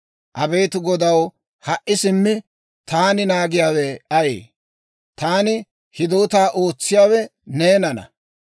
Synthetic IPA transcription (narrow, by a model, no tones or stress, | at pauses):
ʔɐbeːt̪ʊɡɔd̪ɐw | hɐʔːɪsɪmːɪ | t̪aːnɪnaːɡɪjaːwɛɐjḛː | t̪aːnɪ | hɪd̪oːt̪aːʔo̞ːt͡sːɪjaːwɛneːnɐnɐ̰